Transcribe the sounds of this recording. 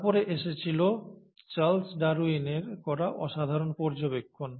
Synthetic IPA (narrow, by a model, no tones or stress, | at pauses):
poɾeʔeʃet͡ɕʰilo | t͡ɕalsɖaɾuineɾkɔɾaʔɔʃad̪ʱaɾonpɔɾd͡ʑobekʰːon